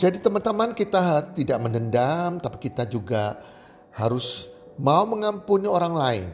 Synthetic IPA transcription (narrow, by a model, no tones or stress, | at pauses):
d͡ʒadit̪əmant̪əmankit̪at̪idaʔmənəndamt̪api̥kit̪ad͡ʒuɡa | haɾʊs | mauməŋampunioɾaŋlaɪ̰n